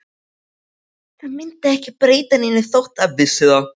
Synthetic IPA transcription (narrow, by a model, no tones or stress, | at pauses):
θaðmɪnt̪ɪɛhcɪpɾeːjt̪aninɪθowht̪aðvɪsːɪða